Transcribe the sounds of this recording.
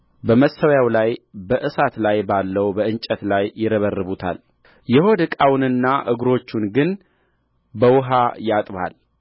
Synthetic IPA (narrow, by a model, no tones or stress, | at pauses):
bəməsəwjawlajbəʔɨsat̪lajbalːəwbəɨnt͡ʃʼət̪lajːɪɾəβərːɨβut̪ʰa̰l | jɛho̞d̪ɨkʼawnɨnːaʔɨɡɾo̞t͡ʃːunɡɨn | bəwʊɦajat̪ʼβa̰l